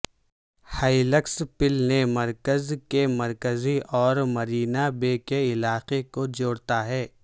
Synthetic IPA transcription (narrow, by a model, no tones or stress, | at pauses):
haːiləkspɪlnemɐɾkəzkemɐɾkəziʔɔːɾmɐɾiːnabeːkeɪlaːqekod͡ʒoːɽt̪aɦɛː